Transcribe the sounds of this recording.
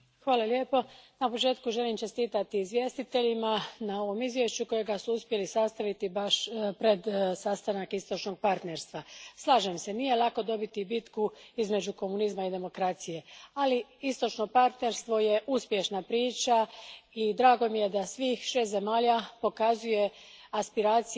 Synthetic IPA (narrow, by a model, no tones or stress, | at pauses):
xʋaːlalje̞po̞napo̞t͡ʃe̞ːt̪kuʒe̞limt͡ʃe̞st̪iːt̪at̪iːzʋje̞st̪it̪e̞ʎimanao̞ʋo̞mizʋje̞ʃt͡ʃuko̞jeɡasuuspje̞lisast̪aʋit̪ibaʃpɾe̞d̪sast̪anakist̪o̞t͡ʃno̞ɡ̚paɾt̪ne̞ɾst̪ʋaslˠaːʒemse̞nije̞lˠako̞d̪o̞bit̪ibit̪kuizme̞d͡ʑuko̞munizmaid̪e̞mo̞kɾat̪sije̞aliist̪o̞t͡ʃno̞paɾt̪ne̞ɾst̪ʋo̞je̞ʔuspje̞ʃnapɾiːt͡ʃaid̪ɾaːɡo̞mije̞d̪asʋiːxʃe̞st̪ze̞maːʎapo̞kazuje̞ | aspiɾaːt̪si